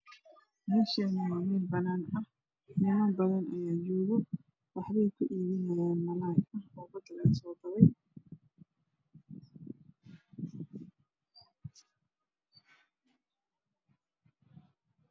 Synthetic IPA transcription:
mɪʃɛmʊaːwiːlbɐnaːnɐh | ħɪmɐbɐðɐnɐjaːjɔːɣɔ | wɑħβɛjkʰʊʔiːβɪnɐjaːnmɐlaːkɐhɔːbɐd̪lɛːsɔːd̪ɐβɛj

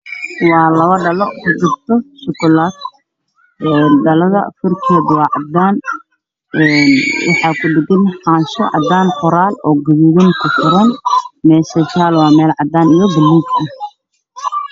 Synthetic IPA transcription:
wɑːlɐβɐɖɐlɔkʰɐd͡ʒɪb̚t̪ʰɔʃʊkʊlaːd̪ | ɛːɖɐlɐðɐ̰fʊrkʰɛːd̪wɑːʕɑd̪aːn | ɛnwɑ̰ħɑːkʰʊɖɪɡɪnħɑːnʃɔ̰ʕɑ̰d̪aːnfʊɾaːlɔːɡʊðiðɪnkʰʊfɪɾɔːnmɛːʃɐt͡ʃaːlwɑːmɛːlʕɑd̪aːnɪjɐɡɪlːʊŋkʰɐ

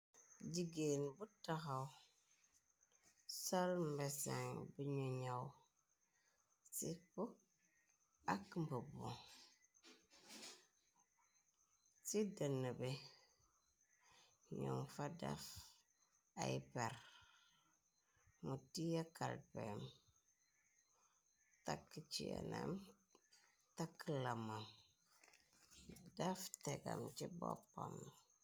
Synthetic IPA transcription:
d͡ʒiɡenbʊtaxaʊ | salm̩bɛsa̰ŋbiɲoɲaw | sɪpʊ | akmbəbɔ | sidənəbe | ɲomfada̰f | apɛɾ | mutijakalpɛm | takːit͡ʃḭa̰nam | takːəlamam | daftɛɡa̰mt͡ʃibɔ̰pam

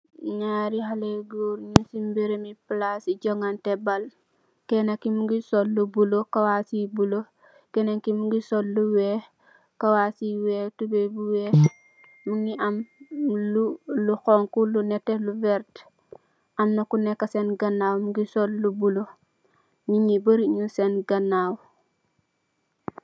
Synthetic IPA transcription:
ɲaɾiɦaleɡuɾɲisimbiɾemiplasiɟoŋantebal | kenakimuɡisollubulokawasibulo | keneŋkimuɡisollːuwe | kawasiweːtubebuweː | muŋiamluluxoŋkuluneteluveɾt | amnokunekːasenɡanːawmuɡisollubulo | miɲibəɾiɲusenɡanaw

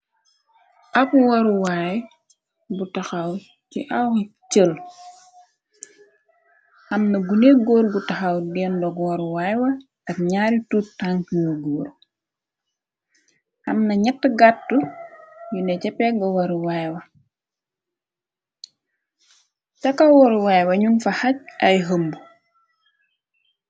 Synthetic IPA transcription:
ʔɐpuwɐɾuwaj | butɐxɐw | cḭʔɐwkit͡ʃəl | ɐmnɐɡuneɡɔːɾbutɐxɐwdɛːndɔkwɐɾuwajwɐ | ɐkɲaːɾituːtːaŋkɲɔɡɔːɾ | hɐmnɐɲɐtːəɡatːujunɛcɛpɛɡɐwɐɾwajwɐ | t͡ʃɐkɐwɔɾwajwɐɲunfɐhɐc̚ʔɐjɦəmbu

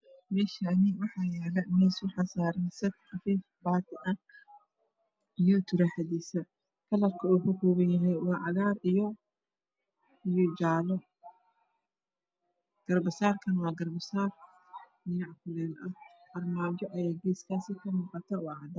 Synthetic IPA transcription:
mɛːʃanɪwɑħɑːjɛːlɛmɛːsʊħɑsaːɾɐnsɐt̪̚ħɑfiːf | baːt̪ʰɪʔɐ | ijɔt̪ʰʊɾɐħad̪iːsɐ | kʰɐlɐrkʰɐuːfʊkʰuːβɐnjɐɦɛjwɑːʕɑðaːrijɔ | ijɔd͡ʒaːlɔ | ɡ̥ɐrbɐsaːrkʰɐnwɑːɡɐrbɐsaːr | nɪnɐʕkʰʊlɛːnʔɐhʔɐrmaːd͡ʒɔʔɐjaːɡɛskʰaːsɪkʰɐmuːqɑt̪ʰɐwɑːʕɑd̪ɐ

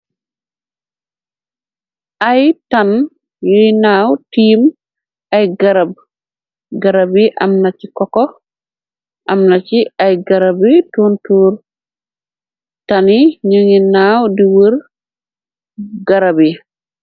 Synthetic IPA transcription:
ʔajtan | jəinawtiːm | ajɡaɾab̚ | ɡaɾabiʔa̰mnat͡ʃikɔkɔ | ʔamnat͡ʃiajɡaɾabitontuɾ | taniɲəŋinawdiwəɾ | ɡaɾabi

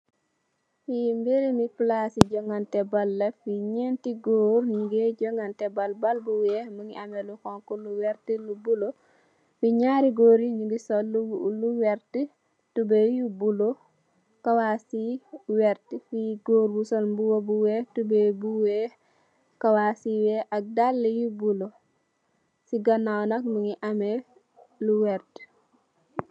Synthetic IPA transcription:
fimbeɾimiplasiɟɔŋɡantɛbɐlːɛfiɲɛntiɡoːɾɲuɡeɟɔŋɡantɛbɐlbɐlbuwɛməŋiʔamɛlukɔŋkuluwɛɾtilubulo | fiɲaːɾiɡoːɾiɲuɡisɔluluwɛɾtə | tubɛjubulo | kɐwasiwɛɾtifiɡoːɾbusɔnmbuwobuwɛtubɛbuwɛ | kɐwasiwɛʔɐk̚dalːijubulɔ | siɡɐnawnɐk̚məŋiʔɐmɛ | luwɛɾt

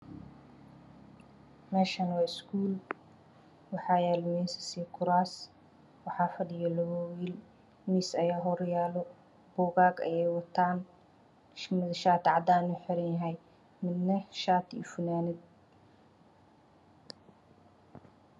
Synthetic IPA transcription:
mɛːʃɐnwaːɪskʰuːl | wɑħɑːjɛːlmɛːsɪ̥siːkʰʊɾaːs | wɑħɑːfɐɖɪjɐlɔɔwiːl | misɐjaːɦɔɾjaːlɔ | b̥ɔːɣaːɡɐ̰jɛjwɐt̪ʰaːn | mɪðʃaːt̪ʰʕɑd̪aːnʊħɪɾɐnjɐɦɛj | mɪd̪nɐʃaːt̪ʰḭːfʊnaːnɪd̪̚

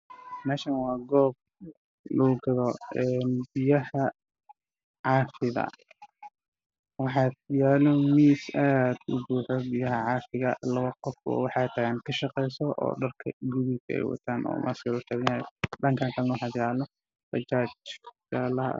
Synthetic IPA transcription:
mɛːʃɐnwɑːɡɔːb̚ | luɡɐðɔɛnbɪjɐhɐ | ʕɑːfɪðɐ̰ | wɑħɑːd̪jaːlɔmiːsad̪̥ʊ̰buːħɔbɪjɐɦɐʕɑːfɪɣɐ̰lɐβɐqɔfɔ̰ːwɑħɑt̪ʰɐɣaːnkʰɐʃɑqɛjsɔʔɔ̰ːɖɐrkʰɐɡʊβisɐɛ̰jwɐ̰t̪ʰaːnɔ̰ːmʔɐ̰skɐlʊt͡ʃɐβɪnaːj̰ɖɐŋkʰaːnt̪ʰɐlnwɑħɑːd̪jaːlɔ | bɐt͡ʃaːt͡ʃɡalɐɦɐ̰

